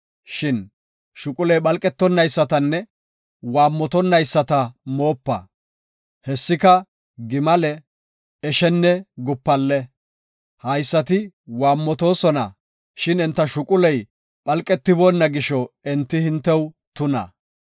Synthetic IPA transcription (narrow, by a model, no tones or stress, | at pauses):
ʃɪn | ʃʊkʼʊlɛjɓɐlkʼɛt̪ːɔnːɐjsːɐt̪ɐnːɛ | waːmːɔt̪ɔnːɐjsːɐt̪ɐmo̞ːpːɐ̰ | hɛsːɪkɐ | ɡɪmɐlɛ | ɛʃɛnːɛɡʊpːɐlːɛ | hɐjsːɐt̪ɪ | waːmːɔt̪o̞ːsɔnɐ̰ | ʃɪnɛnt̪ːɐʃʊkʼʊlɛj | ɓɐlkʼːɛt̪ːɪboːnːɐɡɪʃɔɛnt̪ːɪhɪnt̪ːɛw | t̪ʊnɐ̰